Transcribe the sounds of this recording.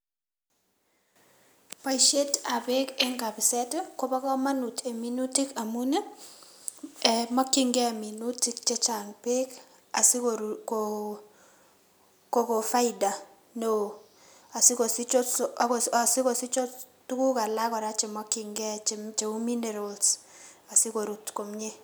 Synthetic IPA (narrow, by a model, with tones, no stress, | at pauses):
pa˦i˨ʃe˦ta˨be˦kɛ˦ŋɡa˨bɪ˨sɛ˦tɔ˦ko˦ba˦kɔ˦ma˦nu˨te˨mi˨˦nu˦ti˦ka˨mu˦ne˦ | ɛ˨mɔ˦kɪ˦ŋɡɛ˦˨mi˨nu˦ti˦k̚t͡ʃɛ˦t͡ʃa˨ŋpɪ˦k | a˨sɪ˦koko | ko˨ko˨fa˦ɪ˦da˨ | no˦˨ | a˨sɪ˦ko˨sɪ˦t͡ʃo˦ksa˨sɪ˦ko˨sɪ˦t͡ʃɔ˦ | tu˦ku˦ka˨la˦kɔ˨ɾa˦t͡ʃe˨mɔ˦kɪ˨ŋɡɛ˦t͡ʃt͡ʃe˨u˦mi˦ne˨ɾo˨ls | a˨sɪ˦ko˨ɾu˨tko˨mɲe˦